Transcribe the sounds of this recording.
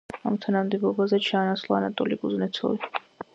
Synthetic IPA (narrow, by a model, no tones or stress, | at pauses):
a̰mt̪ʰanamd̪ibɔbazɛt͡ʃʰaːnaslˠɔanat̪ʼɔliɡuznɛt̪sʰɔ̰ɾi